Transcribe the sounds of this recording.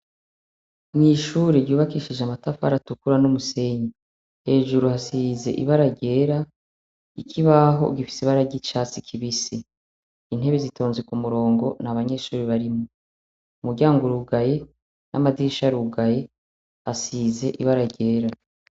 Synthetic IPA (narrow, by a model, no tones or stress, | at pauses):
niʃuːɾeɾɟuːβakiːʃiʒeamatafa̰ɾatukuɾanomuse̞ɲi | he̞ːʒuɾuhasize̞̰ʔḭβaɾaɟe̞ːɾa | ikʰiβaɦo̞̰ɡifi̥siβaɾaɟit͡ʃaːt͡sikʰiβisi | in̥he̞βezitʰo̞ːnzekumuɾo̞ːŋɡo̞naβaɲe̞ʃuːɾiβaɾimo | umuɾɟaːŋɡuɾuɡaje̞ | nʔa̰madiʃaɾuɡaje̞ | hasiːze̞ʔiβaɾaɟe̞ːɾa